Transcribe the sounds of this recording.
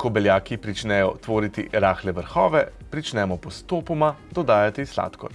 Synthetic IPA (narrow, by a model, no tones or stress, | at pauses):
kɔbɛljaːkipɾit͡ʃnɛjɔt̪ʋoːɾit̪iɾaːxlɛʋəɾxɔːʋɛpɾit͡ʃnɛmɔpɔst̪oːpɔmad̪ɔd̪aːjat̪isla̰ːt̪kɔ̰